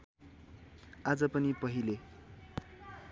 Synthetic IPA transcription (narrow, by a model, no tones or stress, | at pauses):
ad͡zʌpʌnipʌɦile